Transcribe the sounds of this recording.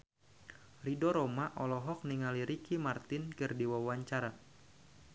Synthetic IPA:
ridɔɾɔmaʔɔlɔɦɔk̚niŋaliɾikimart̪ɪnkɨrdiwawaɲt͡ʃaɾa

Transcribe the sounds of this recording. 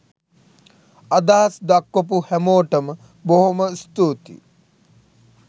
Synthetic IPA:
ad̪aɦasd̪akːop̬uhæmoːʈəmə | boɦoməst̪uːt̪ḭ

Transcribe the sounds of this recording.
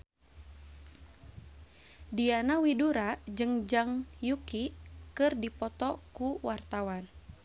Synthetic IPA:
dianawiduɾad͡ʒɨŋd͡ʒaŋjukikɨrdipɔt̪ɔkuwart̪awan

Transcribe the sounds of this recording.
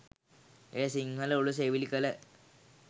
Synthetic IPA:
eːsiŋhɐluɭːus̬eʋilikːɐle

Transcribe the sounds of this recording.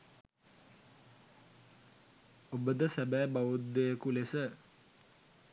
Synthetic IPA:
obəd̪əsæbæːbaʋud̪ːejəkulesə

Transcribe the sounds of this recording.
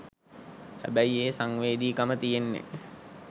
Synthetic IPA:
hæ̰bæjeːsaŋʋeːd̪iːkamət̪ijenːḛ

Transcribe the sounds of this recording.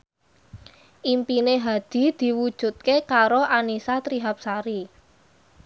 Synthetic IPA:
ʔimpineɦad̪̥i̤d̪̥i̤wud̥ʒ̥ṳt̪̚kekaɾoʔanisat̪ɾiɦap̚saɾi

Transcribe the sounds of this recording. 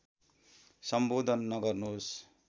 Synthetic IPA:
sʌmboːd̪ʱʌnːʌɡʌrnos

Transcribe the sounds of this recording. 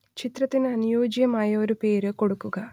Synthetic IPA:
t͡ɕit̪rɐt̪ːinɐnijo̞ːd͡ʑjɐmaːjɐo̞ɾupe̞ːɾɨko̞ɽukːuɣɐ

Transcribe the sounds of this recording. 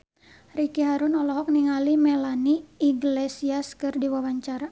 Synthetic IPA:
rikiɦaɾunɔlɔɦɔk̚niŋalimɛlaniːɡlesiaskɨrdiwawaɲt͡ʃaɾa

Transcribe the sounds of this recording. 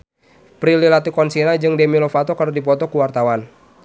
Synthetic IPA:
pɾililat̪ikɔnsinad͡ʒɨŋdɛmilɔfat̪ɔkərdipɔt̪ɔkuwart̪awan

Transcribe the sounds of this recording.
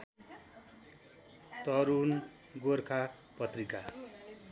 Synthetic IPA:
t̪ʌɾun | ɡorkʰa | pʌt̪rika

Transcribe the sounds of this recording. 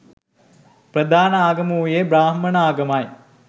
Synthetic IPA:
prɐd̪ʱaːnɐaːɡɐmuːjebɾaːɦmɐnaːɡɐmaj

